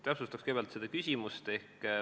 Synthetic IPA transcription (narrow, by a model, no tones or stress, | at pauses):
t̪æpsust̪ɑkskejb̥ɑlt̪sed̪̥ɑkysʲimust̪e̞hk